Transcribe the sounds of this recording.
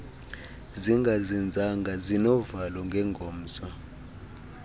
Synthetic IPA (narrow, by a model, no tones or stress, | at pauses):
ziŋɡʱazind͡zʱaŋɡʱazinɔvalɔŋɡʱɛŋɡʱoːm̩ːsɔ